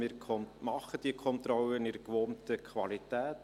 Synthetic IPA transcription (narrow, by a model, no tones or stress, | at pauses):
mɪːɾʰɔnmɑχəd̥iəkʰɔnt̪ɾɔlənɪdəkʋoːntəkʰʋɑlitæːt